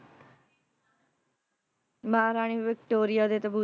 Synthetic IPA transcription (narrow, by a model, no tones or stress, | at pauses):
maːɾaːɳ̃iːʋɪk̚ʈoːɾɪjaːd̪eːt̪əbuː